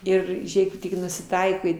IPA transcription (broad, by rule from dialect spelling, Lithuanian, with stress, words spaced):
ˈɪr ˈʒʲeːk tʲɪk nʊsʲɪˈtɐɪkɐɪ